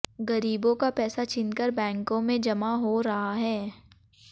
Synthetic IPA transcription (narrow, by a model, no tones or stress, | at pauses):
ɡɐɾiːbõkapɛːsat͡ʃʰɪ̃nkəɾbɛ̃ːŋkõmẽd͡ʒɐmaɦoɾɐɦaɦɛː